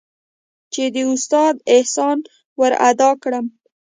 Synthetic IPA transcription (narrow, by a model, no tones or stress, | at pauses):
t͡ʃed̪əust̪ɑd̪ɪhsɑn | wəɾa̰d̪ɑkɽəm